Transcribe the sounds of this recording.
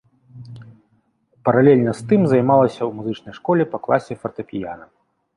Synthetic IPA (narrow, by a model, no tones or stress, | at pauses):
pɐɾalʲɛlʲnɐst̪ɨmzɐjmalˠɐsʲɐwmuzɨt͡ʂnɐjʂkɔlʲɛpɐklˠasʲɛfɐrt̪ɐpʲija̰nɐ